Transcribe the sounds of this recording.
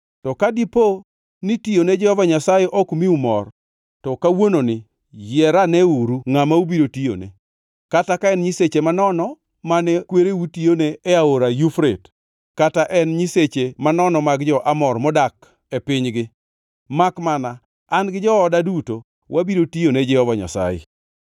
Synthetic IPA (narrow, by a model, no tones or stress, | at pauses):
tɔkadipo | nitijoned͡ʒɔhɔvaɲasajɛʔɔkmiumɔ̰r | tɔkawononɪ | jɛɾanɛuɾuŋamaubiɾotijo̰nḛ | katakaɛnɲiset͡ʃemanɔnɔ | manɛkweɾeutioneːaoɾajufɾet | kataʔɛnɲiset͡ʃemanɔnɔmaɡd͡ʒɔʔamɔrmɔdak | epɪɲɡɪ | makmanaː | nɡɪd͡ʒɔɔdaduto | wʔabiɾotijoned͡ʒɛhɔvaɲa̰sa̰jḛ